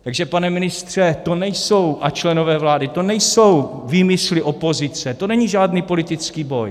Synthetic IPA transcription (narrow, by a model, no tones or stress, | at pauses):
t̪aɡʒɛpanɛmɪnɪst̪r̝̥ɛt̪o̞nɛjso̞wʔat͡ʃlɛno̞vɛːvlaːdɪt̪o̞nɛjso̞wviːmɪslɪʔo̞po̞zɪt͡sɛt̪o̞nɛɲiʒaːdniːpo̞lɪt̪ɪt͡skiːbo̞j